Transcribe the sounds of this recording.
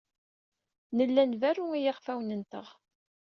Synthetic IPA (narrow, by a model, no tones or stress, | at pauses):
nəlːænværːuijaʁfæwnənt̪əʁ